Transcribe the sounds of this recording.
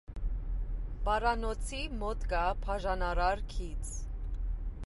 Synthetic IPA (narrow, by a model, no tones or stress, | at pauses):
pɑɾɑnɔt͡sʰimɔt̪kɑpʰɑʒɑnɑɾɑɾkʰit͡sʰ